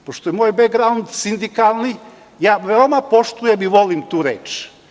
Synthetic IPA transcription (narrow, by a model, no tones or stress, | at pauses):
poʃt̪ojemoːjbeɡɾaund̪sind̪ikalˠni | jaːʋeomapo̞ʃt̪ujemiʋo̞limt̪uːɾeːt͡ʃ